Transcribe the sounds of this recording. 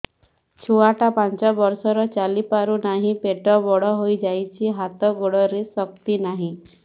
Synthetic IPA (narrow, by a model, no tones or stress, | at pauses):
t͡ʃʰuaʈapant͡ʃɔbɔɾsɔɾɔt͡ʃalipaɾunaɦĩpeʈɔbɔɽɔɦojd͡ʒajt͡ʃʰiɦat̪ɔɡoɽɔɾesɔk̚t̪inaɦĩ